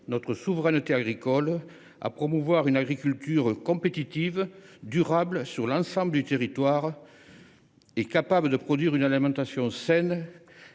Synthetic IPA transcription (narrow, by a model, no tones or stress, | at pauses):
nɔt̪χəsuvəʁɛnət̪eaɡʁikɔl | a̰pχɔmuvwaʁynaɡʁikylt̪yʁəkɔ̃pet̪it̪ivd̪yʁabləsyʁlɑ̃sɑ̃bləd̪yt̪eʁit̪waʁ | ɛkapabləd̪əpχɔd̪ɥiʁynalimɑ̃t̪asjɔ̃sɛn